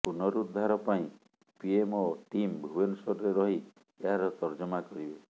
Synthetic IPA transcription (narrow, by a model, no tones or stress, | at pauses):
punɔɾud̪ʱːaɾɔpaĩ | piemɔʈimbʱubensɔɾɾeɾɔɦi | eɦaɾɔt̪ɔɾd͡ʒɔmakɔɾibe